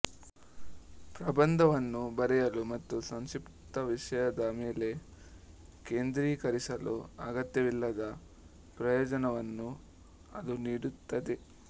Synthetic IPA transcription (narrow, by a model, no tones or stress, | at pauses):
pɾɐbɐnd̪ʱɐʋɐnːubɐɾɛjɐlumɐt̪ːusɐŋʃip | t̪ɐʋiʂɐjɐd̪ɐme̞ːle̞ | ke̞ːnd̪ɾiːkɐɾisɐlṵɐɡɐt̪jɐʋilːɐd̪ɐ | pɾɐjɔːd͡ʒɐnɐʋɐnːu | ɐd̪uniːɽut̪ːɐd̪e